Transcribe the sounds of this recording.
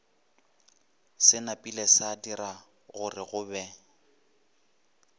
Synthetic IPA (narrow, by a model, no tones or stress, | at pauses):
sɪnapʼilɛsadira | ɣʊrɪɣʊbɛ